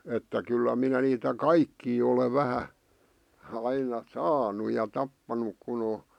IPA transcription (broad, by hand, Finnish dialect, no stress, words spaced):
etːæ kylːæ minæ niːtæ kɑikːiː ole ʋæhæ ɑinɑ sɑːnu jɑ tɑpːɑnuk kun o